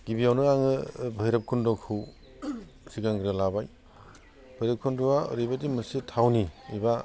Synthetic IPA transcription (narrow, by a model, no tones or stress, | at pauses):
ɡ̥ibijawnɯaŋɯbʱɯjɾap̚kʰundɔkʰɯw | siɡaŋɡɯɾɯlabaj | bʱɯjɾɐp̚kʰunduwa̰ɾibadimɯsitʰawniiba